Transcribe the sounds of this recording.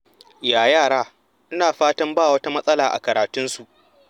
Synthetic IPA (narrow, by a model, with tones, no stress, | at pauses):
jaː˨jaː˦˨ɽaː˦ | ʔɪ˦naː˨ɸaː˦tɐ˦mbaː˦˨wɐ˦ta˦mɐ˦sʼɐ˦laː˨ʔa̰˨kɐ˨ɾaː˨tʊ˦nsu˨ʔ